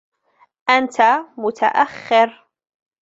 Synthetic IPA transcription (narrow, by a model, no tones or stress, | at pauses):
ʔant̪ʰamʊt̪ʰa̰ʔaxːɪɾ